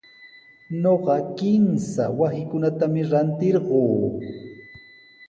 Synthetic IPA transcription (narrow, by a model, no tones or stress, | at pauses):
noɢɑkɪmsa̰wahɪkʊnat̪amɪɾant̪ɪɾɢoː